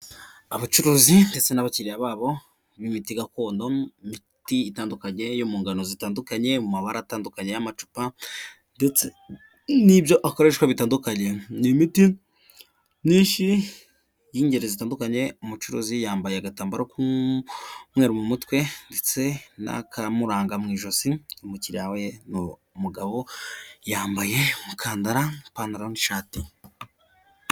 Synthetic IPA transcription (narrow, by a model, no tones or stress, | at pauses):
aβat͡ʃuɾuzinde̞t͡se̞naβaciɾijaβaːβo̞ | nimitiɡako̞ːndomi | tiːtaːndukaɲe̞jomuːŋɡanozitaːndukaɲe̞mumaβaɾataːndukaɲe̞jamat͡ʃu̥pa | ndet͡se | nibjo̞ʔako̞ɾe̞ʃwaβitaːndukaɲe̞nimiti | ɲĩːnʃi | jiːɲɟe̞ɾezitaːndukaɲe̞umut͡ʃuɾoːzijaːmbajeaɡataːmbaɾoku | mwe̞ːɾomumutwe̞ndet͡se̞na̰kamuɾaːŋɡamŋiːʒo̞siomuciɾaweno | muɡaβo̞jaːmbaje̞mukʰaːndaɾapaːndaɾaoniʃaːti